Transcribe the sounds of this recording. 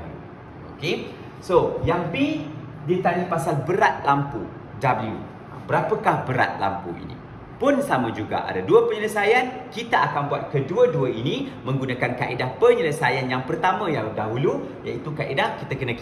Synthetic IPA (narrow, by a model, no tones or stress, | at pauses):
oke | sojaŋbi | dit̪anipasalbəɾat̪̚lampu | dabliṵ | a̰bəɾapəkahbəɾa̰t̪̚la̰mpṵḭnḭ̃ | pʊnsamə̃d͡ʒuɡa̰ʔa̰daduəpəɲələsajankit̪aakanbuat̪̚kəduəduəinĩmə̃ŋɡunakankaʔidahpəɲələsajanjaŋpərt̪amə̃jaŋdaɦulu | jait̪ukaʔidahkit̪akənã